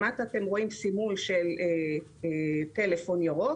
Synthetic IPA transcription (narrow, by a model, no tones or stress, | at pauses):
at̪at̪e̞mʁo̞imsimulʃele | t̪e̞lefo̞njoʁo